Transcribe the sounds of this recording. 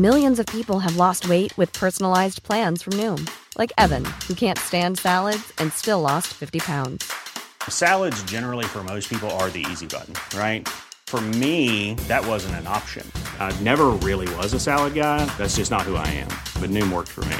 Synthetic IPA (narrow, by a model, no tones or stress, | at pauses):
mɪlˠjɨ̃nzʌv̥pʰipl̩ˠəvlɔst̚weɪʔ̚wɨð̥pʰɜ˞sn̩l̩aɪzpʰl̥æ̃nz̥fɹʌ̃mnʉ̃mlʔa̰ɪkɛvɨ̃nhukʰæ̃ntstæ̃ndsælˠədz̥ɨ̃nstɪlɔstfɪftipʰãʊ̃ndz̥sælˠədzd͡ʒɛnə˞l̩ˠifə˞moʊspʰipl̩ˠə˞ðḭḭzibʌ̰ʔn̩ɹaɪt̚fə˞miðɨt̚wʌzɨ̃ntɨ̃nɑ̰pʃɨ̰̃nnɛvə˞ɹɪlˠiwʌzəsælˠəd̚ɡaɪðætsd̥ʒ̥ʌsnət̚hua̰ɪɨ̰̃mb̥ʌtⁿnʉ̃mwɜ̰˞ksfə̰˞mḭ